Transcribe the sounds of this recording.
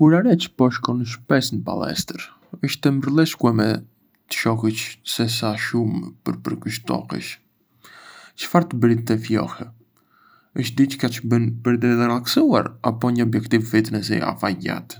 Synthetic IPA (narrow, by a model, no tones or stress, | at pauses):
uɾaɾɛt͡ʃə̥pɔʃkɔnəʃpɛsnəpa̰lɛ̰st̪əɾ | əʃt̪ɛməɾlˠɛʃkuɛmɛ | t̪ə̥ʃɔhət͡ʃsɛsaʃumpə̰ɾpəɾkəʃt̪ɔ̰hə̰ʃ | t͡ʃə̥faɾt̪əbəɾit̪t̪ɛfjɔ̰hɛ | əʃt̪̚d̪it͡ʃə̥kat͡ʃəbənpəɾit̪ɛt̪ɛɾaksua̰ɾapɔɲəɔbjɛkt̪ivfit̪ənɛsḭa̰faɟa̰t̪